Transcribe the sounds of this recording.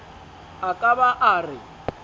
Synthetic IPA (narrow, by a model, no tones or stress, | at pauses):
akʼaβaʔaːrɪ